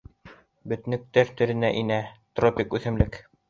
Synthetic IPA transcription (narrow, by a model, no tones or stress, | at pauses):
bɵ̆t̪̆nɘ̆k̚t̪æɾt̪ɵ̆ɾɘ̆næʔinæt̪ropʲɪkʉθɘ̆mlɘk